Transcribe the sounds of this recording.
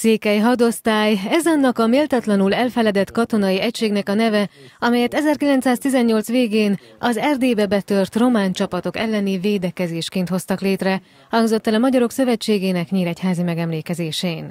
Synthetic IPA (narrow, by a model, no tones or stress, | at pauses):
seːkɛjɦɒd̪o̞st̪aːjɛzɒnːɒkɒmeːlt̪ɒt̪lɒnulɛlfɛlɛd̪ɛt̪kɒt̪o̞nɒjiɛcʃeːɡnɛkɒnɛvɛɒmɛjɛt̪ɛzɛrkilɛnt̪saːst̪izɛɲːo̞ltsʋeːɡeːn | ɒzɛrd̪eːbɛbɛt̪ørt̪ro̞maːnt͡ʃɒpɒt̪o̞kɛ̰lːɛniveːd̪ɛkɛzeːʃkeːnt̪ho̞st̪ɒkleːt̪rɛ | hɒŋɡzo̞t̪ːɛlɒmɒɟɒɾo̞ksø̞vɛt͡ʃːeːɡeːnɛkɲiːɾɛchaːzimɛɡɛmleːkɛzeːʃeːin